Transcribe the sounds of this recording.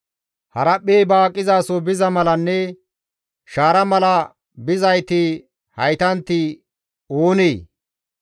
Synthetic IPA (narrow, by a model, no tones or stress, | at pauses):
hɐɾɐpːeːbaːkʼːɪzaːsɔbɪzɐmɐlɐnːɛ | ʃaːɾɐmɐlɐ | bɪzɐjt̪ɪ | hɐjt̪ɐnt̪ːɪ | oːneː